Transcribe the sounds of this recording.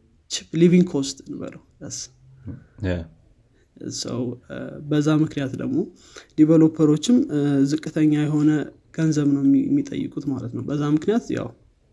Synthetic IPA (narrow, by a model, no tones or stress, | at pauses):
t͡ʃɪpliviŋɡkʰo̞st̪nbə̰ləwəs | sə̰wbəzːamɨknijat̪d̪ə̰ɡmo̞ | liβəlo̞pʰːəɾo̞t͡ʃːɪmzɨkʼːɨt̪ʰəɲːajɛɦo̞nə | ɡ̥ənzəβnəwjɛ̰mːit̪ʼə̰jːɨ̰kʼut̪malət̪nəwbəzːamɨknijat̪ja̰w